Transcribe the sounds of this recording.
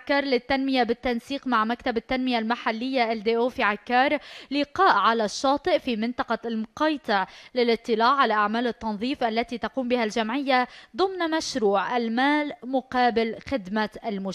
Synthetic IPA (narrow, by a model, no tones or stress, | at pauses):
akːɑːɾˤlɪt̪ːanmɪjabɪt̪ːansiːqmaʕmakt̪abɪt̪ːanmɪjalmaħalːɪjːaʔld̪eːʔoːfiʕakːɑːɾˤlɪqɑːʔʕalaʃːɑːt̪ˤɨʔfimɪnt̪ˤɑqɑlmʊqɑːjt̪ˤɨʕlɪlʔɨt̪ˤːɨlaːʕʕalaʔaʕmaːlɨt̪ːɑnðˤiːfʔalːat̪it̪ɑquːmbɪhalʒamʕɪjːad̪ˤʊmnmaʃɾuːʕʔalmaːlmʊqɑːbɪlxɪd̪maʔalmʊ